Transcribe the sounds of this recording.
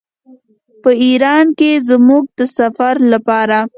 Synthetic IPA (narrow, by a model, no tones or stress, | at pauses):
pəiɾɑnkezmuɡ̚d̪əsafaɾlapɑɾa